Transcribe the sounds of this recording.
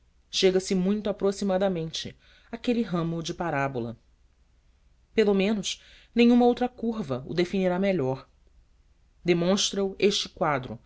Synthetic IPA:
ʃeɡɐsɪmũj̃t̪ʊapɾosimad̪ɐmẽnt͡ʃɪ̰ | akeliɦɐ̃mʊd͡ʒɪpaɾabulɐ̰ | pelomẽnʊʃ | nẽjɲ̃ũmɐowt̪ɾɐkuɾvɐʊ̰d̪efiniɾameʎɔɾ | d̪emõʃt̪ɾɐueʃt͡ʃɪ̥kwad̪ɾʊ̰

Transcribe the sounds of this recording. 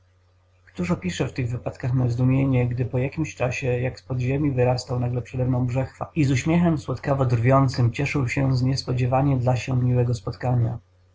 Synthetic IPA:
kt̪uʂɔpʲiʂɛft̪ɘɣvɘpat̪kaxnazd̪umʲjeɲɛɡd̪ɘpɔjakʲimɕt͡ʂaɕɛjakspɔd̪ʑemʲivɘɾast̪awnaɡlɛpʂɛd̪ɛmnɔ̃w̃bʐɛxfa̰izuɕmʲjɛxɛmswɔt̪kavɔd̪rvʲjɔnt̪sɘmt͡ɕɛʂɘwɕɛzɲɛspɔd͡ʑɛvaɲɛd̪laɕɛmʲiwɛɡɔspɔt̪kaɲa̰

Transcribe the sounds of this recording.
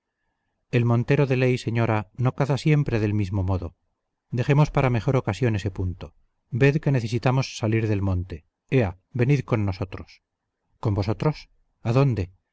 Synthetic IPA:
e̞lmõ̞nt̪e̞ɾo̞ðe̞lejse̞ɲo̞ɾano̞kaðasje̞mpɾe̞ðe̞lmizmo̞mo̞ðo | d̪e̞xe̞mo̞spaɾame̞xo̞ɾo̞kasjo̞ne̞se̞punt̪o̞ | be̞ðke̞neθesit̪amo̞sːaliɾðe̞lmõ̞nt̪e̞ | ea | be̞niðko̞nːo̞so̞t̪ɾos | ko̞mbo̞so̞t̪ɾo̞s | aðo̞nd̪e̞

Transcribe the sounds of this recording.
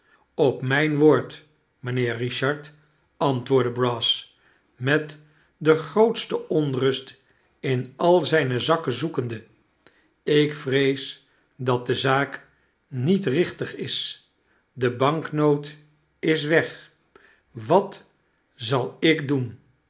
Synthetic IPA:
ɔpmɛjnʋoːɹt | məneːriʃɑɹt | ɑntʋʊːɹdəbrɑs | mɛt | dəχrowtstəɔnrɵst | ɪnɑlˠzɛjnəzɑkəzukəndə | ɪkfrejs | dɑt̚dəzaːk | nitrɪχtəχɪs | dəbɑŋknowt | ɪs̬ʋɛχ | ʋɑt | zɑlˠɪkdun

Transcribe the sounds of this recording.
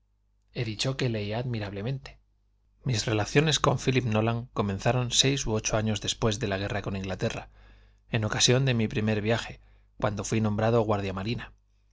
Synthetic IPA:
e̞ðit͡ʃo̞kele̞iaːðmiɾaβle̞mẽ̞nt̪e̥ | misre̞laθjo̞ne̞sko̞ɱfilipnolaŋko̞menθaɾo̞nse̞jsuo̞t͡ʃoaɲo̞zðe̞spwe̞zðe̞laɣ̞e̞rako̞niŋɡlat̪e̞ra | eno̞kasjo̞nd̪e̞mipɾime̞ɾβjaxe̞ | kwa̰nd̪o̞fwinõmbɾað̞o̞ɣ̞waɾðjamaɾina

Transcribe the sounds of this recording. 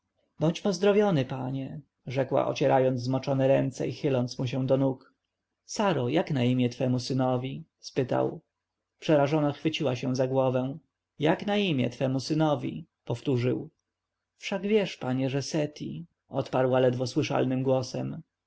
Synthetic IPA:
bɔɲt͡ɕpɔzd̪ɾɔvʲjɔnɘpaɲɛ | ʐɛkwa̰ʔɔ̰t͡ɕɛɾʔajɔnd̪zzmɔt͡ʂɔnɛɾɛnt̪sɛ̰ixɘlɔnt̪smuɕ̬ɛw̃d̪ɔnuk | saɾɔjaknaimʲjɛt̪fɛmusɘnɔvʲispɘt̪a̰w | pʂɛɾaʐɔnaxfɘt͡ɕiwaɕɛw̃zaɡwɔvɛ̃ | jaknaimʲjɛ̰t̪fɛmusɘnɔvʲḭ | pɔft̪uʐɘ̰w | fʂaɡvʲjɛʂpaɲɛʐɛsɛt̪ʲḭ | ʔɔt̪paɾwalɛd̪vɔswɘʂa̰lnɘmɡwɔsɛ̰m

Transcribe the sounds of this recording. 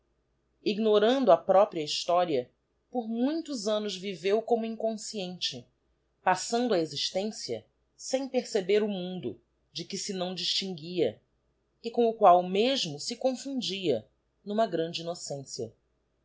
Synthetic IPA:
iɡnoɾɐ̃nd̪ʊɐpɾɔpɾiɐiʃt̪ɔɾiɐ | poɾmũj̃t̪ʊzɐ̃nʊzvivewkõmʊĩkõsiẽnt͡ʃɪ | pasɐ̃nd̪ʊɐeziʃt̪ẽsiɐ̰ | sẽj̃peɾsebeɾʊmũnd̪ʊ̰ | d͡ʒɪkɪsɪnɐ̃w̃d͡ʒiʃt͡ʃĩŋɡiɐ | ɪkõw̃ʊkwawmeʒmʊsɪkõfũd͡ʒiɐ | nũmɐɡɾɐ̃nd͡ʒɪinosẽsiɐ

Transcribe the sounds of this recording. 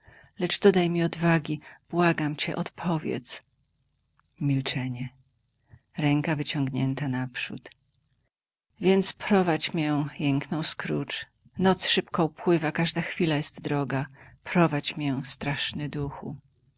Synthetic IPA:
lɛʐd̪ɔd̪ajmʲiɔd̪vaɡʲib̥waɡamt͡ɕɛ̰ʔɔt̪pʰɔvʲjɛ̰t̪s | mʲilt͡ʂɛɲɛ | ɾɛŋkavɘt͡ɕɔŋɡɲɛnt̪anapʂṵt̪ | vʲjɛnt̪spɾɔvat͡ɕmʲjɛjɛŋknɔ̃w̃skɾut͡ʂ | nɔt̪sʂɘpkɔupwɘvakaʐd̪axfʲilajɛst̪d̪ɾɔɡapɾɔvat͡ɕmʲjɛst̪ɾaʂnɛd̪uxṵ

